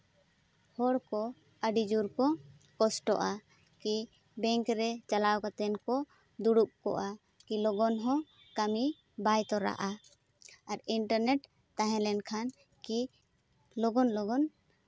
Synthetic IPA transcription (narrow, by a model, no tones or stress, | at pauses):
hɔɽkɔ | əɖid͡ʒuɾkɔ | kɔsʈɔ̰ʔa | ki | bɛ̃ŋkɾɛt͡ʃalawkat̪ɛnkɔ | d̪uɽup̚kɔ̰ʔa | kilɔɡɔnɦɔ̃ | kami | bajt̪ɔɾa̰ʔa | aɾiɳʈaɾnɛʈ | t̪ãɦɛ̃lɛnkʰan | ki | lɔɡɔnlɔɡɔn